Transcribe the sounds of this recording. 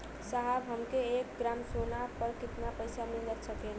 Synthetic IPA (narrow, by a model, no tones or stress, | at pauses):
saɦabɦəmkeek̚ɡɾamsonapəɾkit̪napəjsameld͡ʒət̪sʰəkɛn